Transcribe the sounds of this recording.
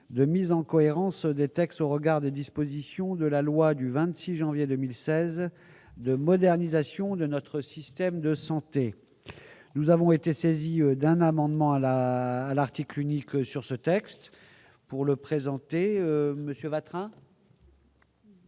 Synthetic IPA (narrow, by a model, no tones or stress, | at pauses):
d̪əmizɑ̃kɔeʁɑ̃sd̪et̪ɛkst̪oʁəɡaʁd̪ed̪ispozisjɔ̃d̪əlalwad̪yvɛ̃t̪siʒɑ̃vjed̪əmilsɛz | d̪əmɔd̪ɛʁnizasjɔ̃d̪ənɔt̪χəsist̪ɛmd̪əsɑ̃t̪e | nuzavɔ̃et̪eseziød̪ɛ̃namɑ̃d̪mɑ̃alaːlaʁt̪iklyniksyʁsət̪ɛkst̪ | puʁləpχezɑ̃t̪eøməsjøvat̪χɛ̃